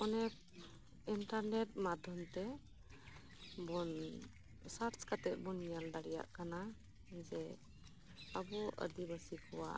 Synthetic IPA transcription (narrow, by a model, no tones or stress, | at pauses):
ɔnɛk̚ | inʈaɾnet̚mad̪ʱɔnt̪ɛ | bɔn | saɾskat̪ɛʔ̚bɔnijaldaɽija̰ʔkana | zɛ | abɔʔə̰d̪ibasikʰɔwa̰